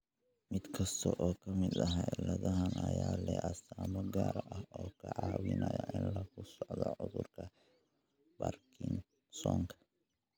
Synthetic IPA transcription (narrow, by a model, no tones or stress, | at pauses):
mɪd̪kʰɐst̪ʰɔʔɔːkʰɐmɪd̪ɐɦalɐðɐɦɐnɐjaːlɛʔɐsaːmɐɡaːɾʔɐhɔːkʰɐʕɑːwɪnɐjɔʔɪnlɐkʰʊsɔʕd̪ɔʕʊðʊrkʰɐ | bɐrkʰɪn | sɔːŋkʰɐ̥